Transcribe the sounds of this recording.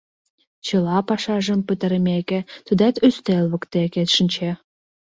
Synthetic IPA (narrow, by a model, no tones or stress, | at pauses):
t͡ɕəlɑpɑʃɑʒə̆mpət̪ə̆ɾəmʲekʲĕt̪əd̪æt̪øst̪elβə̆kt̪eket̪ʃə̆nʲt͡ɕe